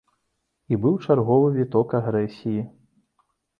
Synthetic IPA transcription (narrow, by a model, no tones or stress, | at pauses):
ibɨwt͡ʂarɣɔvɨvʲit̪ɔkaɣɾɛsʲiji